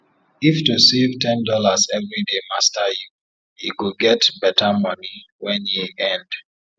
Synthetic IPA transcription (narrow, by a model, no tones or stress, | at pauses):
iftusevtɛ̃ndɔlazɛvɹidemastaju | ḭkuɡɛtbɛtamʌni | wɛ̃njiʔɛ̃nd̥